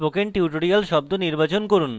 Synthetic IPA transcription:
pokeɳʈiuʈoɾijalʃɔb̚d̪oniɾbat͡ɕonkoɾun

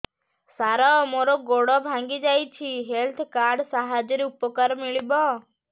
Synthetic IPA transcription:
saɾaɔmoɾɔɡoɽɔbʱãŋɡid͡ʒajt͡ʃʰiɦelt̪ʰkaɾɖsaɦad͡ʒɔɾeupɔkaɾmiɭibɔ

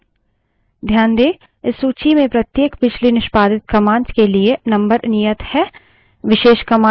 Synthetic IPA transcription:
d̪ʱjaːnd̪eː | ɪsːuːt͡ʃimẽpɾɐt̪jeːkbɪt͡ʃʰlinɪʃpaːd̪ɪt̪̚kɐmãːnskelienɐ̃mbəɾnɪjət̪hɛː | ʋɪʃeːʃkɐmãː

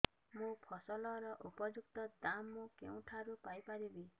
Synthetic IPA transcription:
mũpʰɔsɔlɔɾɔʔupɔd͡ʒukt̪ɔd̪amːũkḛw̃ʈʰaɾupajpaɾibi

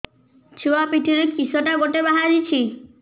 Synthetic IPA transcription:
t͡ʃʰuwapiʈʰiɾekisɔʈaɡoʈebaɦaɾit͡ʃʰi

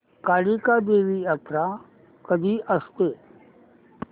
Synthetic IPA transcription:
kaɽikad̪eʋijat̪ɾa | kəd̪ʱiːʔəst̪e

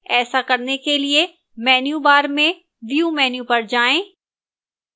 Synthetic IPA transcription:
ɛːsakɐɾnekelie | mɛːnjubaːɾmẽ | ʋijumɛːnjupɐɾd͡ʒaːẽː

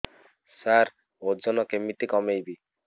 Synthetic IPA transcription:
saɾ | od͡ʒɔnɔkemit̪ikɔmejbi

